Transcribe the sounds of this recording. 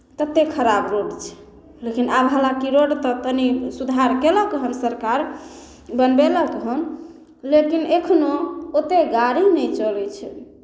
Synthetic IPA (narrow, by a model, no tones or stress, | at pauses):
t̪ət̪ːekʰəɾabɾoɖt͡ʃʰɛ̥ | lekinabɦəlakiɾoɖt̪ət̪ənisud̪ʱaɾkeləkɦənsəɾkaɾ | bənbeləkɦən | lekinekʰnoot̪eɡaɾinəjt͡ʃəlɛt͡ʃʰɛ